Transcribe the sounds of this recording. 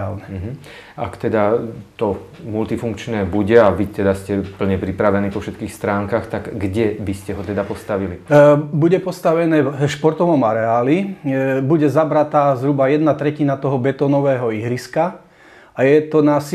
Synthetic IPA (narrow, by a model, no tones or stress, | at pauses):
aːlnɛɦ̩ | a̰kt̪ɛd̪at̪ɔ | mult̪ifuŋkt͡ʃnɛːbuɟɛaʋit̪ɛd̪ascɛpl̩ɲɛpɾipɾaʋɛniːpɔfʃɛt̪kiːxst̪ɾaːŋkaxt̪aɡɡɟɛbiscɛɦɔt̪ɛd̪apɔst̪aʋilibuɟɛpɔst̪aʋɛnɛːʃpɔɾt̪ɔʋɔmaɾɛaːlibuɟɛzabɾat̪aːzɦɾubajɛd̪nat̪ɾɛcinat̪ɔɦɔbɛt̪ɔːnɔʋɛːɦɔiɦɾiska | ajɛt̪ɔnas